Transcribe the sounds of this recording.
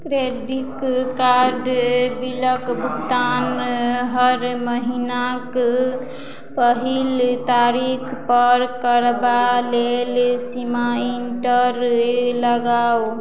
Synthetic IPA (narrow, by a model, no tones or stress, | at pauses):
kɾeɖikaɾɖbiləkbʱukt̪anɦəɾməɦinak | pəɦilt̪aɾikʰpəɾkəɾbalelsimainʈəɾləɡaw